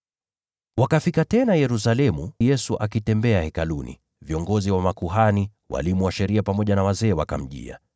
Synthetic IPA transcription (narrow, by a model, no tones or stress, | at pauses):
wakafikatɛnajɛɾus̬alɛmujɛsuʔakitɛmbɛahɛkalunḭ | viɔŋɡɔziwamakuɦani | wʔa̰limuwaʃɛɾiapamɔʄanawazɛːwaka̰m̩ʄḭa̰